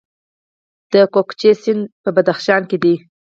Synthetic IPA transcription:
d̪̥əkokt͡ʃesɪnd̪pəbad̪axʃɑnked̪i

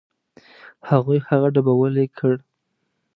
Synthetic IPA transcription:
haɣujhaɣaɖabawəlekʰəɽ

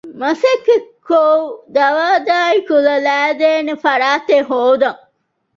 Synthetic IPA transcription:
mɐsekːekod̪ɐʋaːd̪aːikulɐlæːd̪eːnefɐɾaːt̪eɦoːd̪ɐŋ

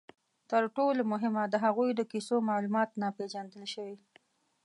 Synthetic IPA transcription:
t̪əɾʈolomʊɦɪmad̪əɦaɣujd̪əkisomɑlumɑt̪napeʒand̪əlʃəwi

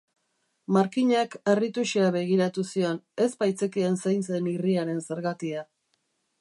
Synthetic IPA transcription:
maɾkiɲake̞rit̪uʃiaβe̞ɣiɾat̪usio̞ne̞spajt͡sekiensejnseniriaɾe̞nse̞ɾɣat̪ia

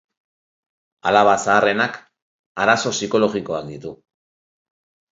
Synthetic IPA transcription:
alaβasaːre̞nak | aɾaso̞siko̞lo̞ɣiko̞akd̪it̪u

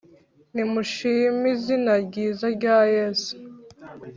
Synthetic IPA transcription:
nimuʃiːmizinaɟiːzaɾɟaːjeːsu̥

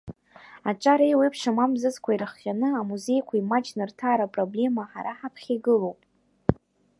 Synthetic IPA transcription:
aʈ͡ʂʼaɾejwejpʰʂamamzɨzkʷʰairχːʲanɨamuze̞jkʷʰaimat͡ʃʰnɨrtʰaːɾapʼroble̞maħaɾaħapʰχʲiɡɨlo̞wpʼ

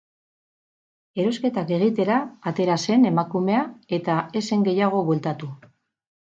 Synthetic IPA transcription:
e̞ɾo̞ske̞t̪ake̞ɣ̞it̪e̞ɾaːt̪e̞ɾase̞ne̞makume̞ae̞t̪ae̞se̞ŋɡe̞jaɣ̞o̞βwe̞lt̪at̪u

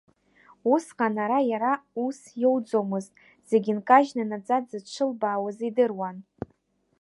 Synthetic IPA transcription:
usqʼanaɾajaɾausjowd͡zo̞mɨztʼ | z̥e̞ɡʲɪnkʼaʒnanad͡zʼadzɨt͡ʃʷʰɨlbawazidɨrwan

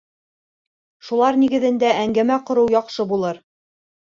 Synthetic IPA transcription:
ʃulˠɑɾniɡɘ̆ðɘ̆nd̪æʔæŋɡæmæqŏɾɤwjɑqʃɤbulˠɤɾ

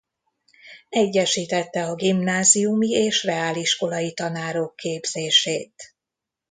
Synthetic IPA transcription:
ɛɟːɛʃiːt̪ɛt̪ːɛɒɡimnaːzijumieːʃrɛaːliʃko̞lɒjit̪ɒnaːɾokʰːeːbz̥eːʃeːt̪

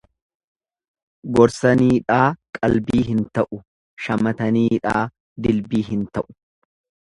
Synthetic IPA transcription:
ɡɔɾsɐniːᶑaːkʼɐlbiːɦɪnt̪ɐʔʊ | ʃɐmɐt̪ɐniːᶑaː | d̪ɪlbiːɦɪnt̪ɐʔʊ̥

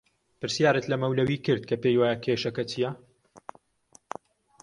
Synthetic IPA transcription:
pɨɾsijaːɾɨt̪lɐmɐwlɐwiːkɨɾd̪̚kʰɐpejwaːjɐkʰeːʃɐkɐtʰijɛ

